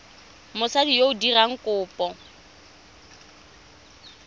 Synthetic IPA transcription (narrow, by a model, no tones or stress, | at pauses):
mʊsadijoʊdiraŋ̩kʼʊːpʼɔ